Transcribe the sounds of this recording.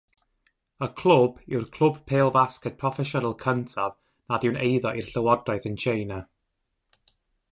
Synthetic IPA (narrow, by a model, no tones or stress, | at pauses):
əkʰl̥ˠʊbɪwrkʰl̥ˠʊb̚pʰeːlˠvaskɛt̚pʰrɔfɛʃɔnalˠkʰəntʰað | naðɪwnejðɔʔirɬəwɔdraɨθənt͡ʃʰejna